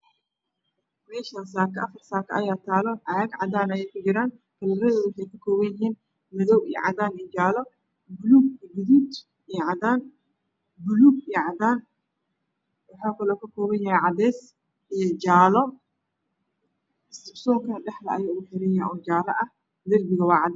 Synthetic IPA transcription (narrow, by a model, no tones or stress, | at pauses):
mɛːʃɐnsaːkʰɐʔɐfɐrsaːkʰɐʔɐjaːt̪ʰaːlɔʕaɐɡʕɑ̰d̪aːnɐjɛjkʰʊd͡ʒɪɾaːn | kʰɐlɐɾɐðoːðwʊħejkɐkʰɔːβɐjɪhiːn | mɐðɔwḭj̰ʕɑðaːnid͡ʒaːlɔ | bʊluːɡɡʊðuːd̪ | ijʕɑdaːn | bʊluɡiʕɑdaːn | wʊħaːkʰɐlɔːkʰɐkʰɔːβɐnjɐhɛʕɑd̪ɛːs | ɛjd͡ʒaːlɔ | ɪst̪ɪbsɔːŋkʰɐnɗɛħlɐʔɐ̰jɔʊħɪɾɪjaʔɔːd͡ʒaːlɐ̰ʔɐ | d̪ɐrbɪɣɐwɑːʕɑd̪